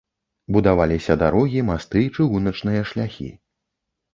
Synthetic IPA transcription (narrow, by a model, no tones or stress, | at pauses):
bud̪avalʲisʲɐd̪aɾɔɣʲimast̪ɨt͡ʂɨɣunɐt͡ʂnɨjɐʂlʲaxʲḭ